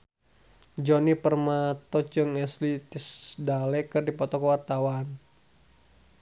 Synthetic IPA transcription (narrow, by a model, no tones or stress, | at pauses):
d͡ʒɔnipərmat̪ɔt͡ʃəŋɛslit̪isdalɛkɨrdipɔt̪ɔkəwart̪awan